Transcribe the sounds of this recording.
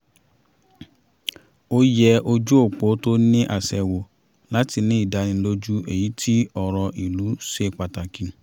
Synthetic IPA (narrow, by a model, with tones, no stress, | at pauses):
o˦jɛ˧ʔo˧d͡ʒu˦o˦˨k͡po˨˦to˦nĩ˦ʔa˦˨sɛ˨wo˨ | la˨˦ti˧nĩ˦i˦˨da˧nĩ˧˦lo˦d͡ʒu˦e˨ji˨˦tʰi˦ɔ˨ɾɔ˧ʔi˨lu˨˦se˦˨k͡pa˨ta˨kĩ˨˧˨